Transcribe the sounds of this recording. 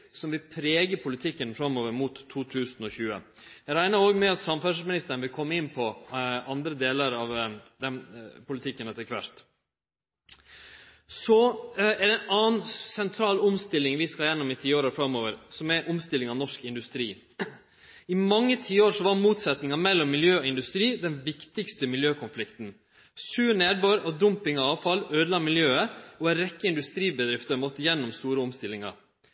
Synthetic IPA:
sɔmʋɪlpʰɾeːɡəpʰʊlɪt̪ʰɪkːənfɾɑmːoːʋəɾmuːt̪ʰːuːt̪ʰʉːsnɔçʉːə̰ | æɾæɪnɑɾoːɡmɛɑt̪sɑmfæʂmɪnɪst̪əɾənʋɪlkʰɔmːəɪnːpʰɔʔɑnd̪ɾəd̪eːləɾɑʋd̪ɛmpʊlɪt̪ʰɪkːənɛt̪ːəɾkʰʋæ̰ɾt̪ | sɔɛɖ̪ɛnɑːnsɛnt̪ʰɾɑːlʊmst̪ɪlːɪŋʋɪskɑljɛnːɔmɪt̪ʰiːoːɾəfɾɑmːoːʋəɾsɔmɛʔʊmst̪ɪlːɪŋɑʋnɔʂkɪnd̪ʉst̪ɾiː | ɪmɑŋːət̪ʰiːəoːɾʂɔʋɑɾmuːt̪sɛt̪nɪŋɑmɛlːɔmːɪljøːɔɪnd̪ʉst̪ɾiːd̪ɛnʋɪkt̪ɪkst̪əmɪljøːkʰʊnflɪkt̪n̩ | sʉːɾneːɾboːɾɔd̪ʊmpɪŋɔɑːʋfɑløːd̪lɑːmɪljøːəɔɛɾɛkːəɪnd̪ʉst̪ɾiːbəd̪ɾɪft̪əmɔt̪ːəjɛnːɔmst̪uːɾəʊmst̪ɪlːɪŋɑ̰ɾ

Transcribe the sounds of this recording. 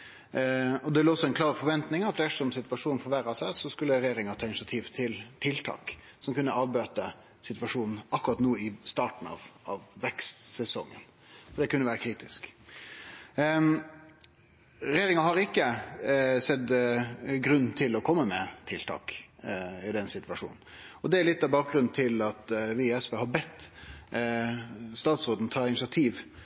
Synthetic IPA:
ɔd̪ɛʋɪləɔsɔɛnkʰlɑːɾfɔɾʋɛnt̪nɪŋɑt̪læʂɔmsɪt̪ʋɑʂuːn̩fɔɾʋæɾɑsæɪsɔskʉlːəɾɛjeːɾɪŋɑt̪ʰɑːʏnɪsɑt̪ʰiːʋt̪ʰɪlt̪ʰɪlt̪ʰɑ̰ːk | sɔmkʉnːəɑːʋbøːt̪ə | sɪt̪ʋɑʂuːnn̩ʔɑkːʉʁɑt̪noːɪst̪ɑːʈɳ̩ɑ̰ʋɑʋːɛkst̪sɛsɔŋːə̰n | fɔɖɛkʰʉnːəʋæːɾəkʰɾiːt̪ɪsk | ɾɛjeːɾɪŋɑhɑɾɪkːə | sɛd̪ | ɡɾʉn̩t̪ʰɪlɔkʰɔmːəmɛt̪ʰɪlt̪ʰɑ̰ːk | ɪd̪ɛnsɪt̪ʋɑʂṵːnn̩ɔd̪ɛæɭɪt̪ːɑʋbɑːk̚ɡɾʉnt̪ʰɪlɑt̪ʋɪɛspeːhɑbɛt̪ː | st̪ɑːt̪sʁoːd̪n̩t̪ʰɑːɪnɪsɪɑt̪ʰiːʋ

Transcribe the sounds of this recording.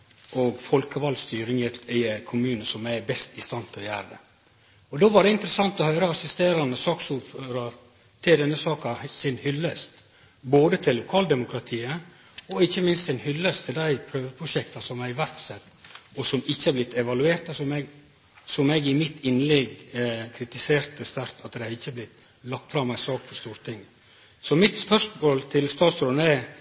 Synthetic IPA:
ʔoɡfɔlkəʋɑlst̪yːɾɪŋɪkʰʊmʉːnəsɔmæbɛst̪ɪst̪ɑnt̪ʰɪlɔjæ̰ːɾəd̪ɛ̰ | ɔd̪oːʋɑɖɛɪnt̪əɾəsɑnt̪ɔhœʏɾəɑsɪst̪eːɾɑnəsɑːksuːføːɾɑ | t̪ʰɪld̪ɛnːəsɑːkɑsɪnhʏlːəst̪ | boːd̪ət̪ʰɪlːʊkʰɑːld̪ɛmʊkʰɾɑt̪ʰiːə | ɔɪçːəmɪnst̪sɪnhʏlːəst̪ʰɪld̪æɪpʰɾøːʋəpʰɾʊʂɛkt̪ɑsɔmæɾʋæɾksɛt̪ːɔsɔmɪçːəhæɾblɪt̪ːɛʋɑlʉeːɾt̪ɑsɔmɛɡ | sɔmɛɡɪmɪt̪ɪnlɛɡkʰɾɪt̪ɪseːɾt̪əst̪æɾt̪ʰɑt̪d̪ɛɪhɑɾɪçːəblɪt̪ | lɑkt̪fɾɑmːæɪsɑːkfɔʂt̪uːɾt̪ʰɪŋ | sɔmɪt̪spœʂmoːlt̪ʰɪlst̪ɑːt̪sɾonæ

